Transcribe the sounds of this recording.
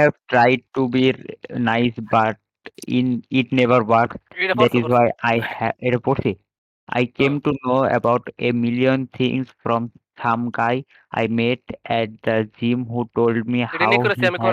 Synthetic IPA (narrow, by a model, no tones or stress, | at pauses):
hɛvʈɾajɖ̚ʈubinajsbaʈ̚ | ḭniʈnevəɾwaɾksd̪ɛʈizwajʔajeʈapoɾʈsʰi | a̰jkẽmʈunoḛbawʈemiliont̪ʰḭ̃ŋsfɾɔ̃msamkaj | a̰jmeʈɛʈ̚d̪əd͡ʒimɦuʈolɖmihaw